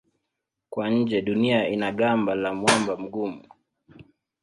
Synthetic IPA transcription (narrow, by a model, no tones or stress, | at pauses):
kwaɲ̩d͡ʒɛɗuniainaɠambalamwambam̩ɡumu